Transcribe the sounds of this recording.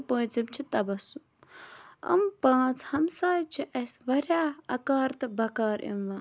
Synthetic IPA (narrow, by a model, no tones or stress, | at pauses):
pə̃ːt͡simt͡ʃʰit̪ɐbɐsum | ɐ̰mpãːt͡sʰhɐmsaːjt͡ʃʰiʔɐsʋɐɾʲjaːɐkaːɾt̪ɨbʱɐkaːɾʔḭmʋaː